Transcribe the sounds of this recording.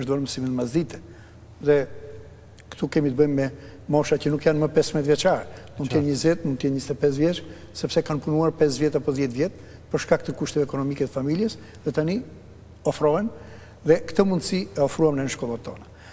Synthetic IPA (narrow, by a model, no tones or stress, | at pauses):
əʃt̪ɔɾməsiminmazd̪it̪ɛ̥ | ðɛ | kt̪ukɛmit̪əbəmmɛ | mɔʃacənukjanməpɛsmɛt̪vjɛt͡ʃaɾɛmunt̪jɛnɲəzɛt̪̚mund̪jɛnɲist̪ɛpɛz̬vjɛt͡ʃ | sɛpsɛkanpunuaɾpɛsvjɛt̪apɔðjɛt̪vjɛt̪ | pəɾʃkak̚t̪əkuʃt̪ɛvɛːkɔnɔmikɛt̪əfamiljɛs | ðɛt̪ani | ɔfɾɔɛn | ðɛkt̪əmund̪siɛɔfɾuamnɛɲəʃkɔlˠɔt̪ɔna